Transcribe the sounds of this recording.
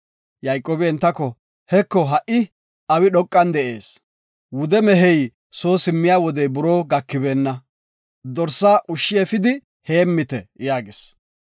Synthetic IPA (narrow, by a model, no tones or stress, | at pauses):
jɐjkʼːoːbɛɛnt̪ːɐkɔ | hɛkːɔɦɐʔɪ | ɐwɪɗɔkʼːɐnd̪ɛʔeːs | wʊd̪ɛmɛɦɛj | so̞ːsɪmːɪjaːwɔd̪ɛjbʊɾoːɡɐkːɪbeːnːɐ | d̪ɔɾsːaːʔʊʃːɪjɛfɪd̪ɪ | heːmːɪt̪ɛjaːɡɪs